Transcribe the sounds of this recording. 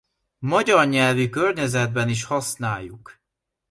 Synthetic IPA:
mɒɟɒrɲɛlvikørɲɛzɛd̪̚bɛniʃhɒsnaːjːuk

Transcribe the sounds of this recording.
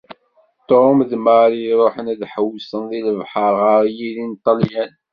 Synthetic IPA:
t̪omðmaɾiɾˤoħənæðħəwːəsənðiləvħəɾˤʁəɾˤjilint̪ˤːɑljæn

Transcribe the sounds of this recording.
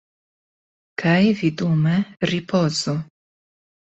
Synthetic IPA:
kʰajvid̪umɛripɔːzo

